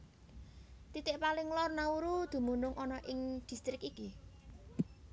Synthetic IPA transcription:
t̪it̪ɪʔpalɪŋlɔrnauɾud̪̥ṳmunʊŋʔɔnɔʔɪŋd̪̥i̤st̪ɾɪkiki

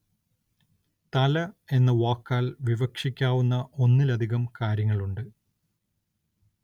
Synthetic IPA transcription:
t̪ɐlɐe̞nːɐʋoːkːaːlʋiʋɐkʂikʲːaːʋunːɐʔo̞nːilɐd̪ʱiɣɐmkaːɾjɐŋːɐɭuɳɖɨ

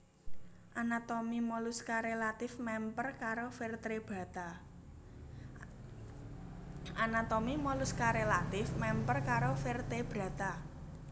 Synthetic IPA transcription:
ʔanat̪omimɔluskaɾelat̪ɪfmɛmpərkaɾofert̪ɾeb̥ä̤t̪a | ʔanat̪ɔmimɔluskaɾelat̪ɪfmɛmpərkaɾofert̪eb̥ɾä̤t̪a

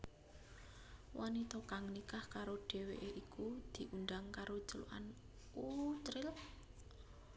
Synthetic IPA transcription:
wʔanit̪ɔkaŋnikahkaɾoɖ̥e̤weʔeʔikud̪̥i̤ʔund̪aŋkaɾo̥t͡ʃəlṵʔa̰n | ut͡ʃɾɪl

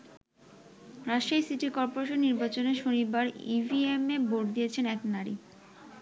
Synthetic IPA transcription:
ɾaʃajsiʈiɾkɔɾpoɾeʃonːiɾbat͡ɕoneʃonibaɾḭvʱiemeboʈ̚d̪ijet͡ɕʰenɛknaɾḭ

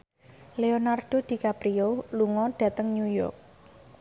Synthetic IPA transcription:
leonarɖ̥o̤d̪̥i̤kapɾioluŋɔɖ̥ä̤t̪əŋɲujɔ̰rk̚

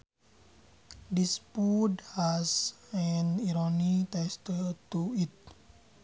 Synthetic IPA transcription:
dispudhasɛniɾonit̪ɛst̪ət̪uit̪̚

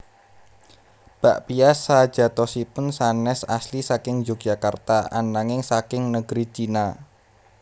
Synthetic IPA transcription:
b̥aʔpiasːad̥ʒ̥a̤t̪ɔsipʊnsanɛsaslisakɪŋd͡ʒok̚ʒ̥akart̪aʔa̰naŋɪŋsakɪŋnəɡ̥ɾit͡ʃina

